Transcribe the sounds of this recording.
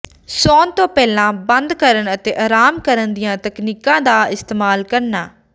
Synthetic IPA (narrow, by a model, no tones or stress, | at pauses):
soːnt̪õːpɛːlãːbənd̪kəɾəɳət̪eːʔaːɾaːmkəɾənd̪ɪjãːt̪əkniːkãːd̪aːɪst̪eːmaːlkəɾnaː